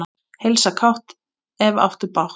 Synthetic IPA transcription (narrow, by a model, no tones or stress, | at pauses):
a | hejlsakʰawht̪ | ɛva̰wft̪ʏɾpawh